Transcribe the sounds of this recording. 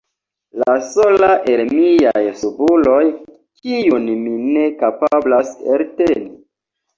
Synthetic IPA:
lasolaʔelmijajsubulo̞j | kijunmine̞kapablasḛlteni

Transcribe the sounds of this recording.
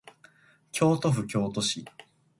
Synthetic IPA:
kʲʰo̞ːt̪o̞ɸɯ̟kʲo̞ːt̪o̞ɕi

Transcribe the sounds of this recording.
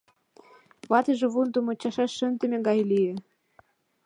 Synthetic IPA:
βɑt̪ə̆ʒĕβund̪ŏmŏt͡ɕɑʃɑʃːə̆nd̪ə̆mʲĕɡɑjlijĕ

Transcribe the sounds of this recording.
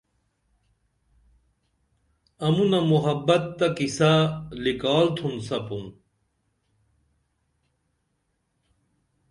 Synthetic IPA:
ɐmunɐmuɦɐbːɐt̪ːɐkisalikaːlt̪ʰumsɐpum

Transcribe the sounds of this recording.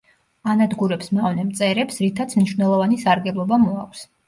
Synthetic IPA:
anad̪ɡuɾɛpsmavnɛmt̪sʼɛɾɛpsɾit̪ʰat̪sʰmniʃvnɛlˠɔvanisaɾɡɛblˠɔbamɔa̰kʷs

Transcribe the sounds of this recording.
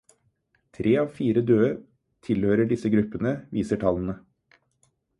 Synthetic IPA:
t̪ʰɾʔeːɑːʋfiːɾəd̪øːə | t̪ʰɪlhøːɾəɖɪsəɡɾʉpːənəʋiːsəʈʰɑln̩ə

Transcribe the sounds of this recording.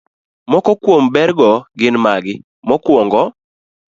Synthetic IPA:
mɔkɔkwombɛɾɡɔɡɪnmaɡɪ | mɔkwoŋɡɔ

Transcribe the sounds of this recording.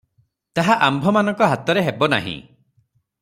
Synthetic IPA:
t̪aɦaʔambʱɔmanɔ̃ŋkɔɦat̪ɔɾeɦebɔna̰ɦḭ̃

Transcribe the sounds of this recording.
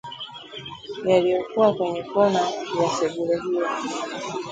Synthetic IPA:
jalijɔkuwakwɛɲɛkɔnawasɛɡuɾaɦijɔ

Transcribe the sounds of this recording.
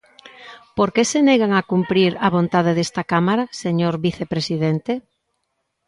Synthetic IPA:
poɾkeseneɣaŋakumpɾiɾaβ̞ont̪að̞eðest̪akamaɾaseɲoɾβiθepɾesiðent̪e

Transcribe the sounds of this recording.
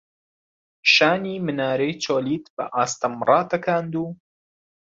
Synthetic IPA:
ʃaːniːmɨnaːɾejt͡ʃʰoːliːt̪bɐ̰ʔaːst̪ɐmrˤɑːt̪ɐkʰaːnd̪uː

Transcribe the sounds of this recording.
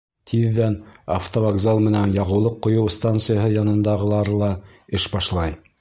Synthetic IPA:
t̪ʰiðːæna̰ft̪ovaɡzalˠmɘ̆nænjɑʁɤ̆wlˠɤqːŏjɤwst̪ant̪sɨjaɦɤjɑnɤ̆nd̪ɑʁɤlˠɑɾɤlˠɑ | ɘʃbɑʃlˠɑj

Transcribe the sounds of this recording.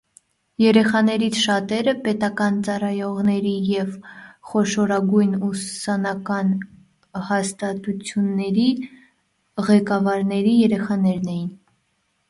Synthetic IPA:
jɛɾɛχɑnɛɾit͡sʰʃɑt̪ɛɾəpɛt̪ɑkɑnt͡sɑrɑjɔʁnɛɾijɛvχɔʃɔɾɑɡujnussɑnɑkɑn | hɑst̪ɑt̪ut͡sʰjunːɛɾi | ʁɛkɑvɑɾnɛɾijɛɾɛχɑnɛɾnɛjin

